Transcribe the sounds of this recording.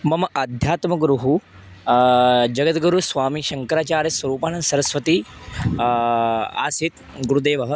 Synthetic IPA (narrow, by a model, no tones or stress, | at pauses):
mɐmɐd̪ʱjaːt̪mɐɡɾuɦu | d͡ʒɐɡət̪ɡɐɾusʋaːmiːʃɐŋkɐɾaːt͡ʃaːɾjɐsʋɐɾuːpaːɳɐnsɐɾɐsʋɐt̪iː | a̰ːsit̪ | ɡuɾud̪eːʋɐɦə